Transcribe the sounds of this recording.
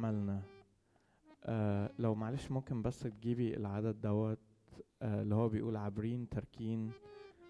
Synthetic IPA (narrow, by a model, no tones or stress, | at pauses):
mælnæ | ʔælæwmaʕaleːʃmomkenbæsːt̪̚ɡiːbiḛlʕad̪æd̪̚d̪æwːæt̪̚ | ʔelːihowːæbejʔuːlʕabɾiːnt̪ɑɾˤkʰiːn